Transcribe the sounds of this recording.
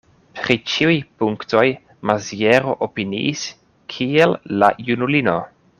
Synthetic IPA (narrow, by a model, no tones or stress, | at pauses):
pɾit͡ʃiujpuŋkto̞j | mazieɾo̞ʔopinḭʔːs | kʰielːa̰junulino̞